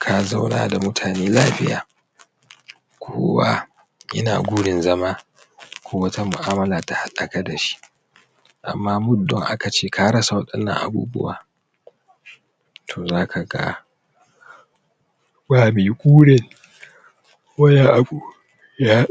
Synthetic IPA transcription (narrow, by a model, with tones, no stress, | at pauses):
kʰa˨za˦wna̰ː˨da˨mʊ˦tʰaː˨neː˦laː˦ɸɪ˦ja̰ː˨ | kʷʰoː˦wa̰˦ | ʔɪ̰˦na̰ː˨ɡʷu˦ɽɪ˨nzɐ˦maː˦ | kʷʰoː˦wɐ˦ta˦mʊ̰˨ʔaː˦mɐ˦laː˨ta˨ha˦la˨ka˦da˨ʃi̥˦ | ʔa̰˨mːaː˦mʊ˦ddɔ˦˨ŋʔa˦ka˨t͡ʃeː˦˨ka˦ɽɐ˦sa˨wɐ˦ɗɐ˦nːɐ̰˨ŋʔa̰˨bṵː˦bʊ̰˦waː˦ | tʰoː˨zaː˦kʰa˨ɡa̰˦ | baː˨meː˨kʷʼuː˦ɽɛ˨n | wɐ˦ja˦ʔa˨u˦ | ja˦